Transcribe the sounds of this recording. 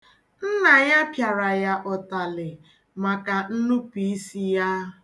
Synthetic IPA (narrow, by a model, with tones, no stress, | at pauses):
n̩˦na˨ɲa˦pja˨ɾa˨ja˦ʔɔ˨ta˨lɪ˨ | ma˨ka˨n̩˦nu˦pi˨˦i˦si˦ja˦